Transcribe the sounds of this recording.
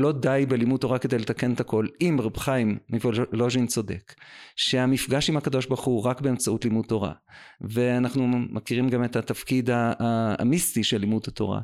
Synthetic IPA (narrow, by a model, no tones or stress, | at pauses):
lo̞dajbe̞limut̚ːo̞ʁakede̞jle̞t̪ake̞net̪ako̞limʁabχajmːivoloʒint͡so̞de̞̰kʃe̞amifɡaʃimhakad̪o̞ʃbaʁχuʁakbe̞emt͡sautlimut̪ːo̞ʁa̰ve̞anaχnumʔakiʁimɡametat̪afkidha̰ːmistiʃelːimuthato̞̰ʁa̰